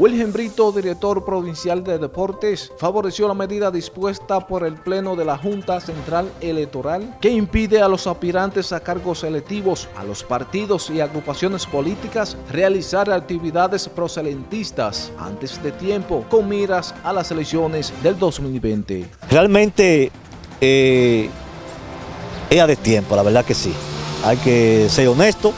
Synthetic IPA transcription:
wilhe̞mbɾit̪o̞ðiɾe̞k̚t̪o̞ɾpɾo̞βinsjald̪e̞ðe̞po̞ɾt̪e̞sfaβo̞ɾe̞sjo̞lame̞ðiðaðispwe̞st̪apo̞ɾe̞lple̞no̞ðe̞laxunt̪ase̞nt̪ɾale̞lek̚t̪o̞ɾalke̞impiðe̞alo̞sapiɾant̪e̞sakaɾɣo̞se̞lek̚t̪iβo̞sa̰lo̞̰spaɾt̪iðo̞siaɣɾupasjo̞ne̞spo̞lit̪ikasrealisaɾak̚t̪iβiðaðe̞spɾo̞se̞ðe̞nt̪ist̪a̰sa̰nt̪e̞sd̪e̞t̪je̞mpo̞ko̞ŋmːiɾasalase̞leksjo̞nesðe̞ld̪o̞smilbẽ̞nt̪e̞̰ | realmẽ̞nt̪e̞ | e | eaðet̪je̞mpolaβeɾðakesiajkese̞ɾonest̪o

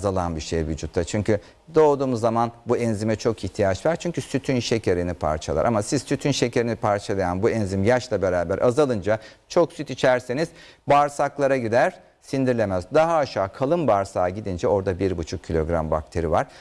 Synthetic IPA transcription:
azalˠanbiʃejvyd͡ʒut̪ʰːat͡ʃʰyɲcʰy | d̪o̞ːd̪uːmuzːamanbuɛnzimɛt͡ʃʰo̞kʰiçt̪ʰijat͡ʃvaɾt͡ʃʰyɲcysyt̪ʰynʃe̞cʰeɾinipʰa̰ɾt͡ʃʰa̰lˠa̰ɾʔa̰masiz̥syt̪ʰynʃe̞cʰe̞ɾinipʰaɾt͡ʃʰalˠajanbuɛnzimjaʃlˠabe̞ɾaːbæɾʔazalˠɯnd͡ʒat͡ʃʰo̞ksyt̪it͡ʃʰæɾsiniz̥ | baɾsaklˠaɾaɟid̪æɾ | sind̪iɾlʲe̞mæzd̪aɦaːʃaːkʰalˠɯnbaɾsaːɟid̪ind͡ʒɛo̞ɾd̪abiɾbut͡ʃʰuk̚cʰːilʲo̞ɡɾa̰mba̰k̚t̪ʰe̞ɾivaɾ̥

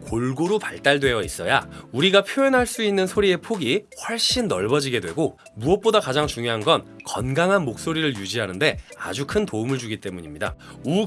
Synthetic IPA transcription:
koɭɡoɾupaɭt͈aɭdwe̞jʌis͈ʌja̰uɾiɡapʰjoenɦaɭs͈uinːɯnsʰoɾie̞pʰoɡiɸwʌɭɕ͈inːʌɭbʌd͡ʑiɡe̞dwe̞ɡo | muʌp̚p͈odakad͡ʑaŋt͡ɕuŋjoɦanɡʌnkʌnɡaŋɦanmok̚s͈oɾiɾɯɭjud͡ʑiɦanɯnde̞a̰d͡ʑukʰɯntoumɯɭd͡ʑuɡit͈e̞muɲimɲida̰u

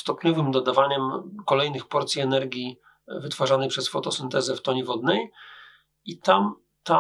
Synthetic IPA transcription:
st̪ɔpɲɔvɘmd̪ɔd̪avaɲɛmkɔlɛjnɘxpɔɾt̪sʲjiɛnɛɾɡʲi | vɘt̪faʐanɛjpʂɛsfɔt̪ɔsɛnt̪ɛzɛft̪ɔɲivɔd̪nɛj | it̪am | t̪a

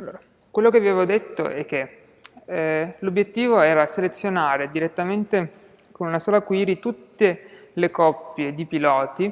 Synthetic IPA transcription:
alːo̰ːɾa | kwelːokeaveːvod̪et̪ːo̰ʔɛk̟ːe | lobːjet̪ːiːvoɛːɾaselet̪sːjonaːɾed̪iɾet̪ːament̪e | konunasoːlakwiːɾit̪ut̪ːe | lekɔpːjed̪ipilɔːt̪i

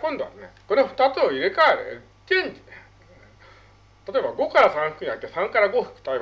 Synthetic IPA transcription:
kõnd̪oβa̰nḛko̞ɾeɸɯ̟̥t̪at͡sɨoiɾekaeɾḛɾɯ | kẽɲt͡ɕine | t̪at̪oe̞baɡo̞kaɾasãɰ̃ɸɯ̟̥kɯ̟ɲiait̪ːesãŋkaɾaɡo̞ɸɯ̟̥kɯ̥t̪aeb

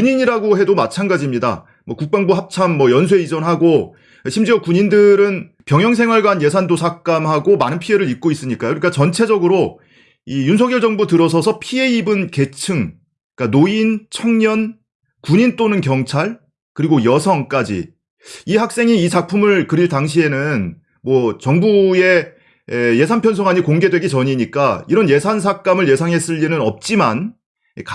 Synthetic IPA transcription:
kuɲiɲiɾaɡoɦe̞domat͡ɕʰanɡad͡ʑimɲida̰ | mwʌkuk̚p͈aŋbuɦap̚t͡ɕʰamːʌjʌnsʰwe̞id͡ʑʌnɦaɡo | ɕʰimd͡ʑiʌkuɲindɯɾɯn | pjʌŋjʌŋsʰe̞ŋɦwaɭɡwanje̞sʰandosʰak̚k͈amɦhaɡomanɯnpʰieɾɯɾik̚k͈ois͈ɯɲik͈ajoɾik͈at͡ɕʌnt͡ɕʰe̞d͡ʑʌɡɯɾo | ijunsʰʌɡjʌɭd͡ʑʌŋbutɯɾʌsʰʌsʰʌpʰie̞ibɯnke̞t͡ɕʰɯŋ | k͈anoint͡ɕʰʌŋɲʌn | kuɲint͈onɯnkjʌŋt͡ɕʰaɭ | kɯɾiɡojʌsʰʌŋk͈ad͡ʑḭ | ihak̚s͈e̞ŋiːt͡ɕak̚pʰumɯɭkɯɾiɭtaŋɕʰie̞nɯn | mwʌt͡ɕʌŋbue̞ | eje̞sʰanpʰjʌnsʰʌŋaɲikoŋɡe̞dwe̞ɡit͡ɕʌɲiɲik͈aiɾʌnje̞sʰansʰak͈amɯɭje̞sʰaŋɦe̞s͈ɯʎːinɯnʌp̚t͡ɕ͈iman | k

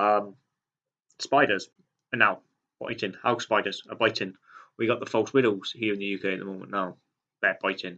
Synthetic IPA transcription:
ʌm | spaɪdəz̥ | ənːaʊ | b̥a̰ɪtɪ̃nhaʊspaɪdəz̥əbaɪtʰɪ̃n | wiɡɒʔðəfɔlˠswɪɾəlˠz̥hiəɹɪ̃nðəjʉːkʰeɪəʔ̪̚ðəmõʊmə̰̃nːaʊ | b̥ɛb̥aɪtʰɪ̃n

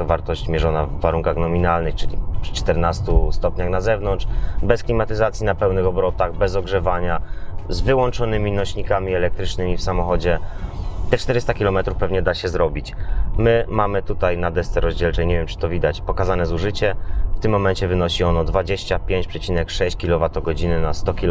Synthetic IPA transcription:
ɔvaɾt̪ɔɕt͡ɕmʲjɛʐɔnavːaɾuŋkaɣnɔmʲinalnɘxt͡ʂɘlʲḭpʂt͡ʂt̪ɛɾnast̪ust̪ɔpɲaxnazɛvnɔntt͡ʂʂbɛsklʲimat̪ɘzat̪sʲinapɛwnɘxɔbɾɔt̪aɣbɛzɔɡʐɛvaɲazvɘwɔnt͡ʂɔnɘmʲinɔɕɲikamʲiɛlɛk̚t̪ɾɘt͡ʂnɘmʲifsamɔxɔd͡ʑɛt̪ɛt͡ʂt̪ɛɾɘst̪akʲilɔmɛt̪ɾufpɛvɲɛd̪aɕɛzɾɔbʲit͡ɕmɘmamɘt̪ut̪ajnad̪ɛst̪sɛɾɔʑd͡ʑɛlt͡ʂɛɲevʲjɛmt͡ʂɘ̥t̪ɔvʲid̪at͡ɕpɔkazanɛzuʐɘt͡ɕɛft̪ɘmːɔmɛɲt͡ɕɛvɘnɔɕiɔnɔd̪vad͡ʑeɕt͡ɕapʲjeɲt͡ɕpʂɛt͡ɕinɛkʂɛɕt͡ɕkʲilɔvat̪ɔɡɔd͡ʑinɘnast̪ɔkʲil

